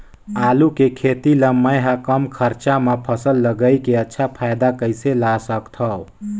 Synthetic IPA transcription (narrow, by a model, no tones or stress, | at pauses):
aːlukekʰeːt̪iləmːəjɦakəmkʰəɾt͡ʃamepʰəsəlːəɡəikeətːʃʰapʰajd̪akəɪselasəkt̪ʰə